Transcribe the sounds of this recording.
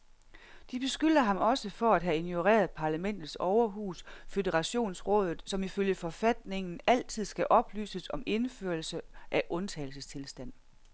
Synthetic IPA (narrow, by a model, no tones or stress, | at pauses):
d̥ib̥e̝sɡ̥yl̰ɐɦɑ̈mɒ̽səfɒ̽æd̥ɦæinjo̝ʁḛːɐð̩ˠpʰɑ̈ːlæmen̰d̥ð̩ˠsɒʊɐɦṵːsfødəʁɑ̈ɕo̝̰ːnsʁɔ̽ːðˠð̩ˠsɒ̽miføljəfɒ̽fæd̥ne̝ŋn̩æl̰t͡sʰið̞̰ˠsɡ̥æʔɒ̽b̥ly̰ːsəsɒ̽me̝nføːɐlsəʔæʔɔ̽nt͡sʰɛ̰ːɪl̩səst͡sʰe̝lsd̥æn̰